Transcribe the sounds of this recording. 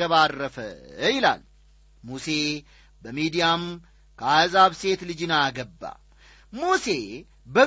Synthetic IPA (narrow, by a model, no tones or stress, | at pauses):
əβarːəfə̰ɪla̰l | muse̞ | bəmid̪ijam | kʰəazaβse̞t̪lɨd͡ʒɨnaɡəbːa̰ | muse̞ | bə